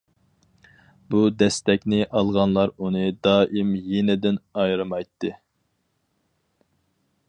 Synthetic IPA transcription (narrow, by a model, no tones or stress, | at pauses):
bud̪ɛst̪ɛkʲnɪʔɑlˠʁɑnlˠɑɾunɨd̪ɑːʔimjenɪd̪ɪnɑjɾɨmɑjt̪ʰːɨ